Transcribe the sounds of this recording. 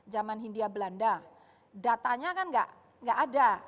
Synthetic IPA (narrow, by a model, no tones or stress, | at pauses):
d͡ʒamanɦindiabəlanda | dat̪aɲakanɡa̰ʔ | ŋɡaʔada